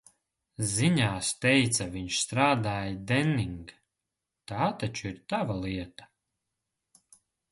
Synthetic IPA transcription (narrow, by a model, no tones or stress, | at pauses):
ziɲaːst̪ɛjt̪saviɲʃst̪ɾaːd̪aːjd̪ɛnːiŋɡ | t̪aːt̪at͡ʃuiɾt̪avalˠiɛt̪ḁ